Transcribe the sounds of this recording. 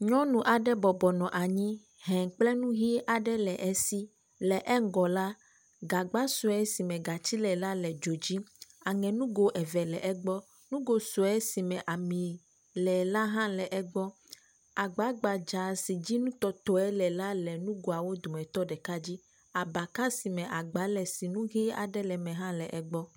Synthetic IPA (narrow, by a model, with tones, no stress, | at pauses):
ɲɔ̃˦nũ˨ʔa˨ɖɛ˦bɔ˨bɔ˨nɔ̃˨ʔa˨ɲĩ˦ | ɦɛ̃˨k͡plɛ˦nũ˦ɦi˦ʔa˨ɖɛ˦lɛ˨ʔɛ˨si˦ | lɛ˨ʔɛ˦ŋ˦ɡɔ˨la˦ | ɡa˨ɡ͡ba˦so˨ɛ˦si˨mɛ̃˨ɡa˨t͡ɕi˦lɛ˨la˦lɛ˨d͡ʒo˨d͡ʑi˦a˨ŋɛ̃˨nũ˦ɡo˦ʔɛ˨vɛ˨lɛ˨ʔɛ˦ɡ͡bɔ˦ | nũ˦ɡo˨so˨ɛ˦si˨mɛ̃˨ʔa˨mĩ˨ | lɛ˨la˦ɦã˦lɛ˨ʔɛ˦ɡ͡bɔ˦ | a˨ɡ͡ba˨˦ɡ͡ba˨d͡ʒa˨si˨d͡ʑi˦nũ˦t̪ɔ˦t̪ɔ˨˦ɛ˦lɛ˨la˦lɛ˨nũ˦ɡo˨a˨wo˦d̪u˨mɛ̃˨t̪ɔ˦ɖɛ˨ka˦d͡ʑi˦ | a˨ba˨ka˦si˨mɛ̃˨ʔa˨ɡ͡ba˨˦lɛ˨si˨nũ˦ɣi˦a̰˨ɖɛ˦lɛ˨mɛ̃˨ɦã˦lɛ˨ʔɛ˨ɡ͡bɔ˦